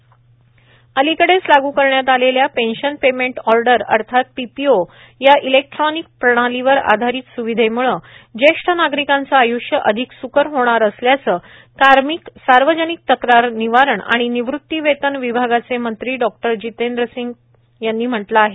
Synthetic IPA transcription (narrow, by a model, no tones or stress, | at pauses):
əlikəɽet͡slaɡʱuːkəɾɳjat̪aleljapenɕənpemeɳʈɔɾɖəɾə̰ɾt̪ʰat̪̚pipio | jaʔilek̚ʈɾɔnik̚pɾəɽ̃aliʋəɾa̰d̪ʱaɾiːt̪suʋid̪ʱemuɭəd͡ʑeʂʈʰənaɡɾikãnt͡saːjuʂjəʔəd̪ʱiksukəɾɦoɽ̃aɾəsljat͡səː | kaɾmiksaɾʋəd͡ʑənik̚t̪əkɾaɾniʋaɾəɳa̰ɽ̃iniʋɾut̪ːiʋet̪ənʋibʱaɡat͡semənt̪ɾiːɖɔk̚ʈəɾd͡ʑit̪end̪ɾəsiŋɡ | janːiːm̤əʈlaːɦe